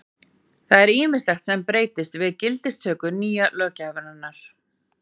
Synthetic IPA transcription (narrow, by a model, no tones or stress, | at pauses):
θaðɛɾiːmɪst̪ɛxt̪sɛmpɾeːjt̪ɪst̪vɪðcɪlt̪ɪst̪ʰœːkʏniːjalœːcavʏnanːaɾ̥